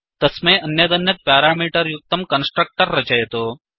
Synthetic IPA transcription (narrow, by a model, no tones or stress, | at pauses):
t̪ɐsmẽʔɐnjɐd̪ɐnjɐt̪̚paːɾaːmiːʈəɾjʊk̚t̪ɐmkɐnsʈɾək̚ʈəɾːɐt͡ʃɐjet̪oː